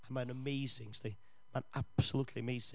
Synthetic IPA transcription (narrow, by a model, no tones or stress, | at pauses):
ãɪ̃mə̃nəmeɪzɪ̃ŋsti | mə̃nʔab̥səlutʰliəmeɪz̥ɪ̃